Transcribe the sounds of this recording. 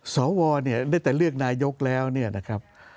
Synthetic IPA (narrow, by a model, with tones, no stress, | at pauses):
sɔː˩˦wɔː˧ni˥˩ɐnaː˥˩jt̪ɛː˨˩lɯ˥˩ək̚naː˧jo˦˥k̚lɛː˦˥wni˥˩ɐna˦˥kʰɾa˦˥p̚